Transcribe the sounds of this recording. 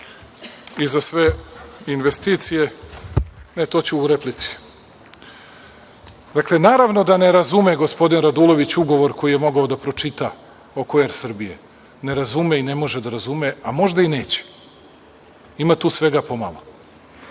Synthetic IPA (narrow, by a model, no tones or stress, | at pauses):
izasʋe̞inʋest̪iːt̪sije̞ | net̪o̞t͡ɕuːɾeplit̪si̥ | d̪akle̞naːɾaʋno̞d̪ane̞ɾazume̞ɡo̞spo̞d̪inɾad̪ulˠo̞ʋit͡ɕuɡo̞ʋo̞ɾko̞jije̞mo̞ɡaod̪apɾo̞t͡ʃit̪a | okojeɾsr̩bije̞̰ | ne̞ɾazumeine̞mo̞ʒed̪aɾazumeamo̞ʒd̪aine̞ːt͡ɕe̥ | imat̪uːsʋe̞ɡapo̞ma̰lˠo̰